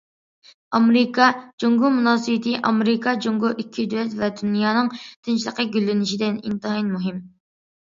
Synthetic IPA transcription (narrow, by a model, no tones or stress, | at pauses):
ɑmeɾɪkʰɑd͡ʒoŋɡumunɑːsɨbɪt̪ʰɪʔɑmeɾɪkʰɑd͡ʒoŋɡʊʔikʲʰːid̪ywɛt̪vɛd̪unjɑːnɨŋt̪ʰɪnt͡ʃlˠəqəɡʲylːɪnɪʃid̪ɪnḭnt̪ɨɦinmuɦɪm